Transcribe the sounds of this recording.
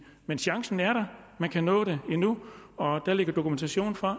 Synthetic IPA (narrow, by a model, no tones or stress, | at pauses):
menɕɑ̈ŋsn̩æɐɾ̥ɑ̈mænkʰænɔ̰̽ːɾe̝e̝nuɒ̽d̥æle̝ɡ̥ɐd̥o̝kʰument͡sʰæɕo̝̰ːn̩fɒ